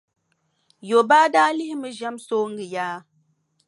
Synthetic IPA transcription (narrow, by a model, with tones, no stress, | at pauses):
jo˨baː˦daː˦li˦hmɨ˦ʒa˦mso˦ŋ̩˦ɡɨ˨jaː˦